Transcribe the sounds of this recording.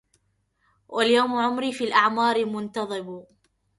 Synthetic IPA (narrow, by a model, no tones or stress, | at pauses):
wʔaljawmʕʊmɾiːfiːlʔaʕmɑːɾɪmʊnt̪ɑðˤɨb